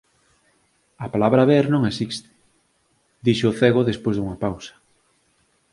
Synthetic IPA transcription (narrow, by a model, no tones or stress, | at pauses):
apalaβɾaβɛɾnõŋesist̪ɪ̥ | d̪iʃːθɛɣoðespojzðuŋɐpawsɐ̥